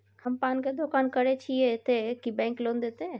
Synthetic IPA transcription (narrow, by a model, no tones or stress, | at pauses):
həmpaːnked̪okaːnkəɾet͡ʃʰiet̪ekibɛ̃ːŋkloːnd̪eːt̪ẽ